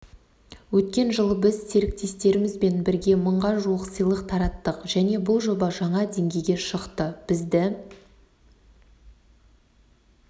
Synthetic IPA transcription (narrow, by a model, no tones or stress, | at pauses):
wɵt̪̚kʲe̞nʒəlˠəbɪzseɾɪk̚t̪e̞st̪e̞ɾɪmɪzbe̞nbɪɾɡʲe̞məɴʁɑʒuwəqsəjlˠəqt̪ʰɑɾɑt̪ːəqʒ̥æne̞bʊlˠʒo̞bɑʒɑɴɑd̪e̞ŋɡʲe̞jɡʲe̞ʃəqt̪əb̥ɪzd̪ɪ